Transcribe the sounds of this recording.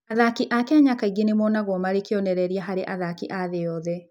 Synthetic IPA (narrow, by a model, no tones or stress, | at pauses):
aðakiʔakeaɲakaiɡenemɔnaɣwɔmaɾekjɔnɛɾɛɾiaɦaɾeʔaðakiʔaðeɔðɛ